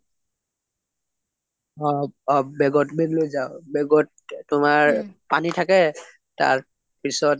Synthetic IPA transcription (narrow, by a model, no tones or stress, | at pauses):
ɔɔbɛɡɔtbenlojzaʊbɛɡɔt̚ | tʊmaɹpanitʰakɛ | ta̰ɹ | pisɔt̚